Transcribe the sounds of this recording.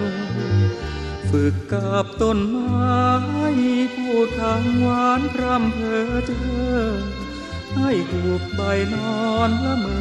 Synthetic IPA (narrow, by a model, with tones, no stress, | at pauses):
fɯ˨˩kːa˨˧˩p̚t̪o˧˩nmaː˧ha˥˩jmiː˧˥˧pʰuː˥˩t̪ʰa˧˥ŋwaː˧˦˥nkʰɾa˧˥˩mkʰɤː˧˩t̪ʰɤː˧˥˩ŋ | ha˥˩jduː˨˩k̚pa˧jnɔː˧npa˧˥mɤː˧